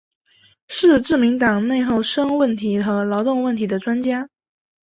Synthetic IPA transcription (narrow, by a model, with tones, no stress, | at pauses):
ʂɻ̩˥˧ʈ͡ʂɻ̩˥˩mi˧˥ŋt̪ɑ˨˩ŋne˥˧ɪxo˥˩ʊʂɤ˥ŋwə˥˩nt̪ʰi˧˥xɤ˧˥lɑ˧˥ʊt̪ʊ˥˧ŋwə˥˩nt̪ʰi˧˥d̪ə˧ʈ͡ʂwa˥nt͡ɕja˥